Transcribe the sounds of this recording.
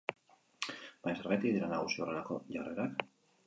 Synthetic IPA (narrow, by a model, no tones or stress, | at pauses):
b̥aɲseɾɣajt̪iðeɾanaɣusioreɾako̞ʝare̞ɾak